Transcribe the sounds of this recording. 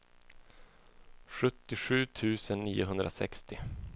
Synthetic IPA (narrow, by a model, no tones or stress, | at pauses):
ɧɵt̪ːɪɧʉ̟ːt̪ʰʉ̟ːsənːiːʊɦɵnd̪ɾasɛ̰kst̪ɪ